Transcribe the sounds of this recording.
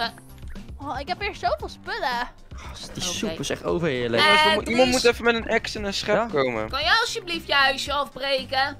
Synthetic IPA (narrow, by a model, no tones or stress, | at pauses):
ɔɪkɦɛpɪːɹssowfɪːlˠspølə | χɑsd̥isupɪsɛχtowvəɹɪːɹləaimɑntmutɛfəmɛtənɛksənənsχɛkowmə̰kɑnjəɑlˠsjəbliftjəɦœɥsjəɑfbrejkə